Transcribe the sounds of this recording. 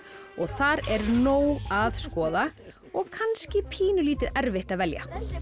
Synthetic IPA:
ɔɣθaɾɛɾnoːwaðskɔːða | ɔɣkʰanscɪpʰiːnʏliːt̪ɪðɛɾvɪht̪aðvɛlja̰

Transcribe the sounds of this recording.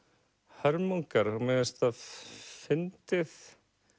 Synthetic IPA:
hœɾmowŋkaɾmɛːðɪst̪aðfɪnt̪ɪθ

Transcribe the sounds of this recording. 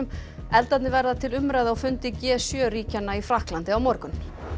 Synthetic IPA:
ʏm | ɛlt̪at̪nɪvɛɾðat̪ʰɪlʏmɾajðaɔwfʏnt̪ɪcɛːsjœːɾiːcanːaifɾahklant̪ɪawmɔɾkʏn

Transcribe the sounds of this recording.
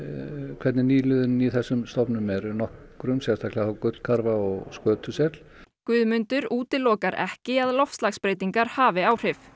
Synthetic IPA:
kʰvɛɾt̪nɪniːlʏðʏniθɛsːʏmst̪ɔpnʏmɛɾnɔhkɾʏmsjɛst̪ʰahklaθawkʏt̪l̥kʰaɾvaɔɣskœːt̪ʰʏsjɛt̪l̥kvʏːðmʏnt̪ʏɾuːt̪ɪlɔːkaɾɛ̰hcɪaðlɔfst̪laxspɾeːjt̪iŋkaɾ̥haːvɪaːwr̥ɪf

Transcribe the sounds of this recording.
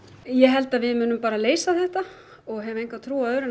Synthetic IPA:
jɛɦɛl̪t̪aðvɪðmʏːnʏmpaːɾaleːjsaθɛht̪a | ɔɣɦɛvʏejŋkvat̪ʰɾuːaœːɾɪn

